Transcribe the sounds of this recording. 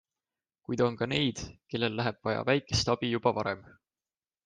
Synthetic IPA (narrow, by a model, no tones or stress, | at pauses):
kujd̪̥o̞nkɑne̞jd̪̥ke̞lːe̞lːæɦeb̥vɑjɑ̰væjkˑe̞st̪ɑb̥ijub̥ɑvɑɾem